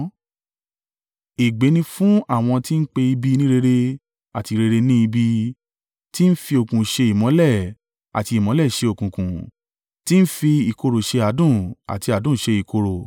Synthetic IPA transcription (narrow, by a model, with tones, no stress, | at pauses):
e˨ɡ͡be˨˦nĩ˧fũ˦a˦˨w̃ɔ̃˧ti˦n̩˦k͡pe˧i˧bi˧˦˧nĩ˦ɾe˧ɾe˧ | a˨ti˧ɾe˧ɾe˧nĩ˦i˧bi˧ | ti˦n̩˦fi˧o˨kũ˨ʃe˧i˨mɔ̃˨˦lɛ˦˨ | a̰˨ti˧i˨mɔ̃˨˦lɛ˦˨ʃe˧o˨kũ˨kũ˨ | ti˦n̩˦fi˧i˨ko˧ɾo˨ʃe˧a˨˦dũ˦˨a̰˨ti˧a˨dũ˦˨ʃe˧i˨ko˧ɾo˨